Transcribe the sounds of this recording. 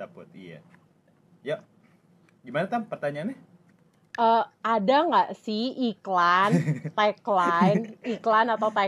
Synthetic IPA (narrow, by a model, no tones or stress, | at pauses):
apʊt̪̚ija̰ | ja | ɡimanat̪ampərt̪aɲanɛh | ʔəadaŋɡaʔsɪhiklant̪aklajniklanat̪awt̪a